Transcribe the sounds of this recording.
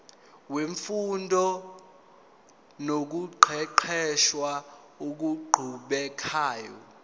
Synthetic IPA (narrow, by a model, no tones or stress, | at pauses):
weɱfundʱɔ | nok̬uǃʰɛǃʰɛʃwa | ok̬uɡ͡ǃʱuɓɛkʰaːjɔ̰